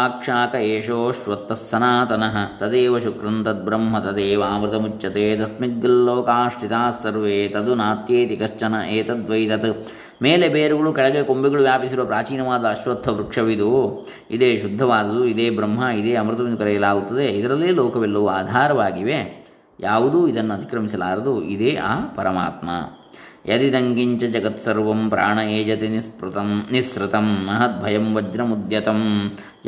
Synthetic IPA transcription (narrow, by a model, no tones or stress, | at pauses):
aːkʂaːkɐeːʂoːʃʋɐt̪ːɐsːɐnaːt̪ɐnɐɦɐt̪ɐd̪eːʋɐʃukɾɐnt̪ɐt̪̚bɾɐmɦɐt̪ɐd̪eːʋɐaːmɾɨt̪ɐmut͡ʃːɐt̪eːd̪ɐsmiɡːɐlːoːkaːʂʈit̪aːsːɐɾʋeːt̪ɐd̪unaːt̪jeːt̪ikɐst͡ʃɐnɐʔeːt̪ɐd̪ʋɐjt̪ɐt̪ | meːlebeːɾuɡɐɭukɐɭɐɡekombiɡɐɭuʋjaːpisiɾuʋɐpɾaːt͡ʃiːnɐʋaːd̪ɐːʃʋɐt̪ʰːɐʋɾukʂɐʋid̪u | id̪eːʃud̪ʱːɐʋaːd̪ɐd̪uid̪eːbɾɐmːɦɐid̪eːɐmɾut̪ɐʋind̪ukɐɾɛjɐlaːɡut̪ːɐd̪eid̪ɐɾɐlːiːloːkɐʋɛlːɐʋuaːd̪ʱaːɾɐʋaːɡiʋe | jaːʋud̪uːid̪ɐnːuɐt̪i̥kɾɐmisɐlaːɾɐd̪uid̪eːʔa̰ːpɐɾɐma̰ːt̪mɐ̰jɐd̪id̪ɐŋɡiɲt͡ʃɐd͡ʒɐɡɐt̪sɐɾʋɐmpɾa̰ːɳɐeːd͡ʒɐt̪enispɾt̪ɐmnisɾut̪ɐmnɐɦɐt̪̚bʱɐjɐmʋɐd͡ʒɾɐmud̪jɐt̪ɐm